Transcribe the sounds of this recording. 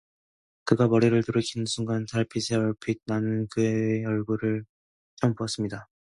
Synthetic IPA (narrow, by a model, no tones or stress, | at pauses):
kɯɡamʌɾiɾɯɭtuɾɯkʰinɯnsʰuŋɡantaɭpʰisʰeʌɭpʰit̚nanɯnkɯejʌɭɡuɾɯɭ | t͡ɕ͈ʌmpuʌs͈ɯmɲida